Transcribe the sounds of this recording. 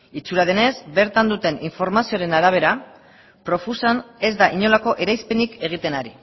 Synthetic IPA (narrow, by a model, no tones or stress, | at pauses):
it͡suɾaðe̞ne̞zbe̞ɾt̪and̪ut̪e̞niɱfo̞ɾmasioɾe̞naɾaβ̞e̞ɾa | pɾo̞fusane̞zd̪aʔiɲo̞lako̞ʔe̞ɾajspe̞nike̞ɣ̞it̪e̞naɾi